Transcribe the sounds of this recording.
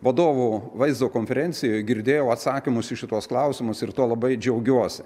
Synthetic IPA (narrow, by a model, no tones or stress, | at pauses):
ʋɐd̪oːʋuːʋɐɪzd̪oːkoːnʲfʲɛɾʲɛnʲtsʲɪjojɡʲɪɾʲd̪ʲeːjɛʊɐt̪sɑːkʲɪmʊsɪʃʲɪt̪uɔsklˠɐʊsʲɪmʊsɪrt̪uɔlˠɐbɐɪd͡ʒʲɛʊɡʲuɔsʲɪ